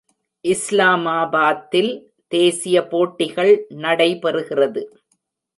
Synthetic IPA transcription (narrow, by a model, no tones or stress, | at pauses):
ʔɪslaːmaːbaːt̪ːɪl | t̪eːsɪjɐpoːʈːɪɣɐɭnɐɽɐɪpɛrɯɣɪrɐðɯ